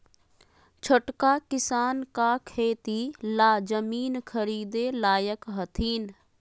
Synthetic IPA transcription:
t͡ʃʰəʈkakɪsaːnkakʰeːt̪ilaːd͡ʒəmiːnkʰəɾiːd̪elaːjəkɦət̪ʰiːn

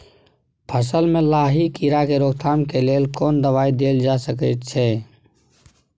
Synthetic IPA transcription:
pʰəsəlmẽlaːɦikiɾakeɾoːɡt̪ʰamkeleːlkɔːnd̪əβaːid̪eːld͡ʒasəkət̪̚t͡ʃʰɛ

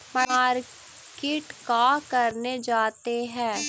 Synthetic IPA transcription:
maːɾ | kɪʈkaːkəɾned͡ʒaːt̪eɦɛ̃ː

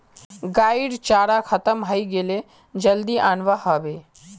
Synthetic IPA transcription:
ɡaːiɽt͡ʃaːɽakʰət̪əmɦaiɡele | d͡ʒəld̪iʔaːnʋahəʋeː

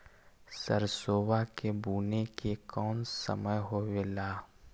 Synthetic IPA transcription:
səɾsoːwakebuːnekekɔːnsə̰məjɦoːelaː

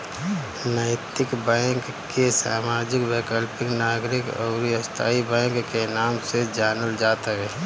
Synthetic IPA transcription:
nəɪt̪ɪkbɛ̃kːesa̰ːmaːd͡ʒɪkweːkəlpɪknaːɡɾɪkɔ̰ːɾiəst̪ʰa̰ːibɛ̃ːŋkːenaːmsed͡ʒaːnəld͡ʒaːt̪aɦɛː

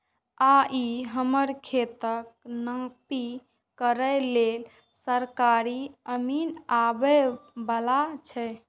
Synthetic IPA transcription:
aʔiɦəməɾkʰet̪ək̚nãpi | kəɾəlel | səɾkaɾiəminabɛbalat͡ʃʰɛ

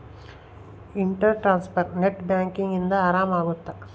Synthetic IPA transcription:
iɳʈɐɾʈɾaːnspʰɐɾneʈbjaːŋkiŋɡind̪ɐaːɾaːmaːɡut̪ːa

